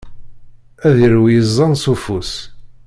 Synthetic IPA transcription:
æðiɾwjəzˤːɑnsufus

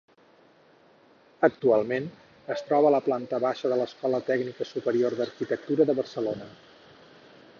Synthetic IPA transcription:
ək̚t̪ualˠmen | əst̪ɾɔβələplant̪əβaʃəðələskɔlət̪ɛɡnikəsupəɾioɾðəɾkit̪ək̚t̪uɾəðəβərsəlonə

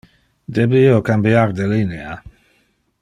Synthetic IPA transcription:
d̪ɛbiiokambjaɾd̪elinea

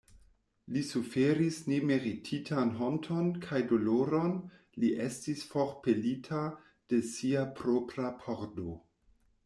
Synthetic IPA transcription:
lisufeɾisneme̞ɾitʰitʰanɦontʰonkʰajdoloɾon | liʔestisfoɾpelitʰa | d̥e̞siapɾopɾapʰoɾdo

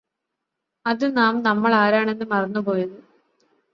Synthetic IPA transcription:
ɐðɨnaːmnɐmːɐɭaːɾaːɳe̞nːɨmɐrɐɲːupo̞ːjɐðɨ

